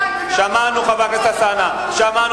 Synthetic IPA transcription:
ʃamanʊxaβakɛsasana | ʃaman

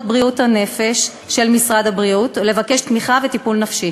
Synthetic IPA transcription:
t̚bʁiuthane̞fe̞ʃː | e̞lmisʁad̪abʁiutle̞vake̞ʃt̪miχavetipulnafʃi

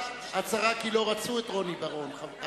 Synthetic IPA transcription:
at͡saʁakilo̞ʁat͡suet̪ʁo̞nibaʁo̞nχa

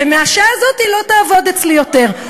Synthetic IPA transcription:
emeaʃazo̞t̪ilo̞t̪aːvo̞d̪et͡slijo̞t̪e̞ʁ

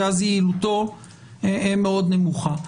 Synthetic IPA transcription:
azilut̪o̞ | eemeo̞d̪nemuχa

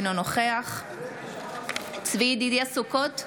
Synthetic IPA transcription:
nonoχeaχ | t͡svid̪id̪iasukot̪

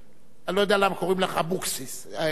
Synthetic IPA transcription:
at̪alo̞jod̪ealamako̞ʁimleχabuksis | a

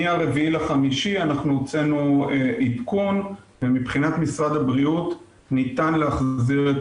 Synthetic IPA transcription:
iaʁe̞viilaχamiʃianaχnuot͡se̞nueʔitkun | vemipχinat̪misʁad̪habʁiut | nit̪anleaχziʁet

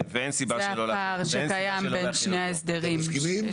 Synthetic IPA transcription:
veensibaalolaʁʃekajambenʃneaesd̪eʁim

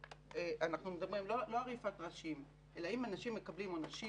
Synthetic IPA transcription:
eʔanaχnumedabʁimlolo̞alʁifat̪ʁaʃim | ʔe̞laimanaʃimːe̞kablimonaʃi

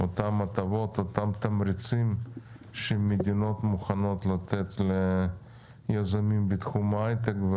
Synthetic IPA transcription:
ot̪amːat̪avo̞t̪ot̪amt̪ɐmɾɪt͡sim | ʃemed̪ʲino̞t̪muχano̞t̪lat̪et̪le | jazamimbit̪χumajt̪ekv

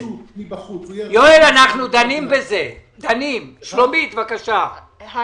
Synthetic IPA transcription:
joelanaχnud̪animbezed̪animʃlomit̪vakaʃa

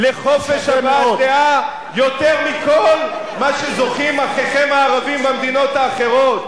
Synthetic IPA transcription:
leχo̞feʃabad̪ea | jo̞t̪eʁmiko̞l | maʃezo̞χimaχeχemaːʁavimbamd̪ino̞t̪aːχe̞ʁo̞t̪

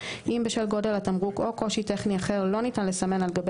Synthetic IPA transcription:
ʔimbeʃelɡo̞de̞lat̪amʁuko̞ko̞ʃite̞χniaχe̞ʁlo̞nitanle̞same̞nalɡab

